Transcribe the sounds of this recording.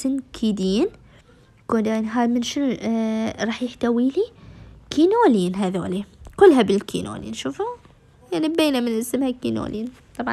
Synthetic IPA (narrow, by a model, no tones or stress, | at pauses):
sɪnkʰiːd̪iːn | kodanɦamɪnʃɪnu | ɾˤɑːħjɪħt̪awiːlikʰiːnoːliːnɦaðo̰ːlikʊlːɦabɪlkʰḭːno̰ːlḭːnʃuːfu | jaʕnibeːnamɪnʔɪsmhakḭːno̰ːlʔiːn | t̪ˤɑbʕɑ